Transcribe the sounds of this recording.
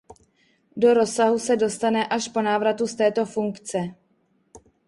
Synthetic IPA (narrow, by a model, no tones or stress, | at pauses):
do̞ɾo̞saɦusɛdo̞st̪anɛʔaʃpo̞naːvɾat̪ust̪ɛːt̪o̞fuŋkt͡sɛ